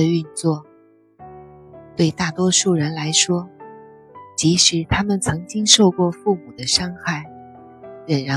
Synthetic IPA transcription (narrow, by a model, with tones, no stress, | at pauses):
ə˧y˥˧nt͡swɔ˥˩ | t̪we˥˧ɪt̪a˥˩t̪wɔ˥ʂu˥˩ɻə˧˥nla˧˥ɪʂwɔ˥ | t͡ɕi˧˥ʂɻ̩˧˥t̪ʰa˥mə˨nt͡sʰɤ˧˥ŋt͡ɕi˥ŋʂo˥˧ʊkwɔ˥˧fu˥˩mu˨˩d̪ə˦ʂɑ˥ŋxa˥˩ɪ | ɻə˨˩nɻa˧˥